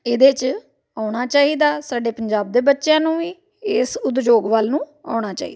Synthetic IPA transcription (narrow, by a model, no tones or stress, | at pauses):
eːd̪eːt͡ʃ | aːʊɽ̃aːt͡ʃaːɦiːd̪aːsaːɖeːpəɲd͡ʒaːb̚d̪eːbətːʃjãːnũːiː | ɪsʊd̪d͡ʒoːɡʋalnũː | a̰ːɽ̃aːt͡ʃa̰ːḭːd̪aː